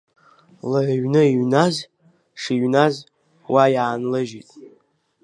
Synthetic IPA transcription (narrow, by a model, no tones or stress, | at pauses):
laʕɥnɨiɥnaz | ʂiɥnaz | wajaːnlɨʒitʼ